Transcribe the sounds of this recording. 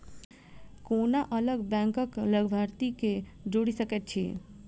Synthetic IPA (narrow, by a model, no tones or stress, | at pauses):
konaʔələɡbɛ̃ŋkəkləɡbʱaɾt̪ike | d͡ʒoɽisəket̪̚t͡ʃʰe